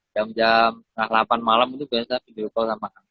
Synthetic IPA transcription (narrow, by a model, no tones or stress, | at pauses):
d͡ʒamd͡ʒamt̪əŋahlapanmalamit̪ubiasapidiɾukɔlsamaʔaŋ